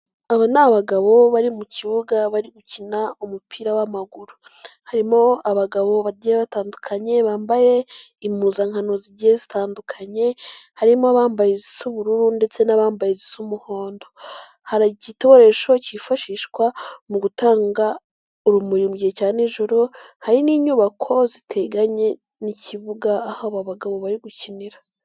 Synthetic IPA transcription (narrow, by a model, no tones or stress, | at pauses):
aβanaβaɡaβo̞βaɾimuciβuɡaβaɾiɡucinaumupʰiːɾawamaɡuɾu | haɾimo̞aβaɡaβo̞βaɟieβataːndukʰaɲe̞βaːmbaje̞ | imuzaŋhanoziɟiezitʰaːndukʰaɲe̞haɾimoaβaːmbajizisuβuɾuɾunde̞t͡se̞naβaːmbajizisumuho̞ːndo̞ | haɾacito̞oɾe̞ʃo̞cifaʃiːʃkwamuɡutaːŋɡa | uɾumuɾimuɟiecaːniʒuɾuhaɾiniːɲuβakʰo̞zitʰe̞ɡaɲe̞ | niciβuɡaːhaβaβaɡaβo̞βaɾiɡuciniɾa